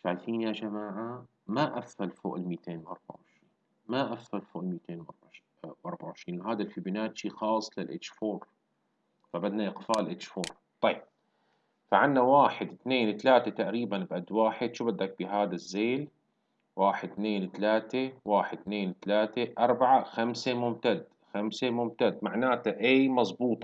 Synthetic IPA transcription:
θalθiːnjad͡ʒamaːʕa | maʔafːalfo̰ːʔlmiːt̪eːnwʔɑ̰ɾˤba̰ʕʕɪʃɾiːn | maʔafːalfoːʔlmiːt̪eːnwʔɑ̰ɾˤba | wʔɑɾˤbaʕɪʃɾiːnwɦaːd̪alfibɪnaːt̪ʃiːxɑːsˤːlɪlʔɪ̰t͡ʃːfoːɾ | fabad̪naʔɪqfaːllʔɪt͡ʃːfoːɾ | t̪ˤɑjːɪb̚ | faʕanːawaːħɪd̪t̪neːnwt̪alaːt̪et̪aʔɾiːbanbʔad̪waːħɪd̪ʃuːbad̪ːak̚biɦaːd̪azːeːl | waːħɪd̪̚t̪neːnt̪alaːt̪ewaːħɪd̪̚t̪neːnt̪alaːt̪eʔɑɾˤbaʕaxamsemʊmt̪ad̪ | xamsemʊmt̪ad̪maʕnaːt̪aʔaːmɑzˤbuːt̪ˤ

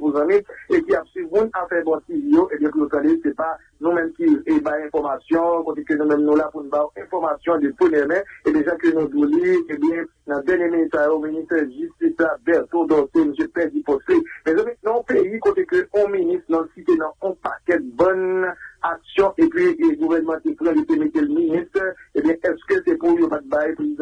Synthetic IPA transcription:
vuzãmĩekiapsimũnafɛbɔ̃tivijoʔebjɛ̃pujot̪ãdesɛpa | nũmɛ̃mkibajɛ̃fɔʁmasjɔ̃kot̪ekønũmɛ̃mnũlapunũbajɛ̃fɔʁmasjɔ̃d̪epʁəmjɛmɛ̃ebeʒãkønũd̪oleebjɛ̃ | nɑ̃d̪ɛʁnjeminist̪ajominist̪ɛʒyst̪islabɛʁt̪od̪ɔ̃semøsjøpɛdipɔslemɛzɔmɛ̃nãɔ̃peikot̪ekøɔ̃minist̪nɔsit̪enɐ̃ɔ̃pa̰kɛt̪̚bɔ̃naksjɔ̃ʔepɥiɡuvɛnəmɑ̃t̪eplɛ̃jot̪emet̪elminist̪ʁebjɛ̃ʔɛskøsɛpujopat̪̚bajpezid̃

